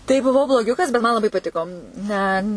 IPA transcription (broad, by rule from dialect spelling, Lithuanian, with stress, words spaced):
tɐɪ bʊˈʋɐʊ blˠoːˈɡʲʊkɐs bʲɛt mɐn lˠɐˈbɐɪ pɐˈtʲɪkoː nʲɛ